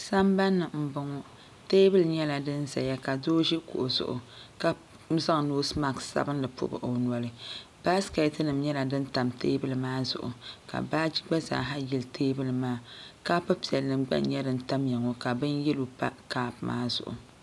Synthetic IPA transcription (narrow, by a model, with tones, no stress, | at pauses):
sa˦mba˦nːɨ˨m̩˦bʊ˦ŋɔ˦ | teː˦bɨ˦lɨ˨ɲɛ˦la˨dɨ˦n˦za˨ja˦ka˨doː˦ʒi˦kṵ˨ʔʊ˨zʊ̰˨ʔʊ̰˨ka˦ | za˦ŋ˨noː˦sma˨ksa̰˦bɨ˦n˦lɨ˨pʊ̰˦bɨ̰˨ʔo˨n˨ɔ˨lɨ˦b̥a˦skɛ˨tnɨ˨mɲɛ˦la˨dɨ˦n˦ta˨mteː˦bɨ˦lɨ˨maː˦zʊ̰˨ʔʊ̰˨ka̰˨baː˦d͡ʒi˦ɡ͡ba˦za̰ː˨ɦa˦jɛ˨ltʰeː˦bɨ˦lɨ˨maː˦ka˦pa˦pi˨ɛ˨lnɨ˨mɡ͡ba̰˦n˦ɲɛ˦dɨ˦n̩˦ta˦mjɛ˨ŋo˦ka˨bɨ˦njɛ˦lo˨pa̰˦kaː˦pma̰ː˦zʊ̰˨ʔʊ̰˨